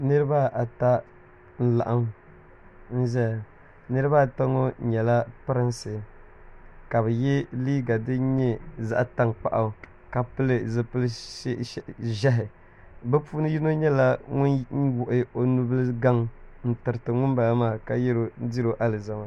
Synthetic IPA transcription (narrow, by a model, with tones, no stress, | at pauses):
nɨ˦ɾɨ˦ba˦ʔa˨ta˦ | n̩˦la̰˨ʔa˦m | n̩˦ʒɛ˦˨ | nɨ˦ɾɨ˦βa˦˨ta˦ŋo˦ɲɛ˨la˦pɨ˦ɾɨ˦nsɨ˨ | ka˨bɨ˨jɛ˦liː˦ɡa˨dɨ˦ɲɛ˦za̰˦ʔta˦ŋk͡pa̰˦ʔa˨ | ka˨pɨ˦lɨ˦zɨ˦pɨ˦l | ʒɛ˦ɦɪ˨ | bɛ˦pu˦nɨ˦ji˦no˦ɲɛ˦la˦ŋʊ˦n˦wʊ˨ʔɪ˨o˦nu˦blɨ˦ɡa˦ŋn̩˦tɨ˨ɾɨ˨tɨ˨ŋʊ˦nba˨la˦maː˦˨ka˦jɛ˦ɾo˨˦di˦ɾo˨ʔa˦lɨ˨za˦ma˦